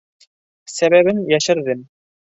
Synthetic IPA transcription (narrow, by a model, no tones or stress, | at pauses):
sæβæβɘnjæʃɘ̆ɾðɘm